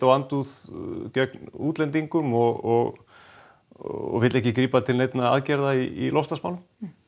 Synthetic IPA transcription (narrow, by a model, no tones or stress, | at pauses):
t̪awant̪uðcœknuːt̪lɛnt̪̬iŋkʏmɔɣɔɣ | ɔ̰ɣvɪt̪ɛhcɪkɾiːpat̪ʰɪlnejt̪naa̰ðcɛɾðaiḭlɔst̪asmawlʏm